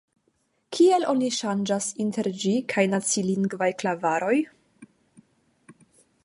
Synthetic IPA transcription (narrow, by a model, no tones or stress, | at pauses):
kʰie̞lʔo̞niʃand͡ʒasinte̞ɾd͡ʒikʰajnat͡siliŋɡvajklavaɾo̞j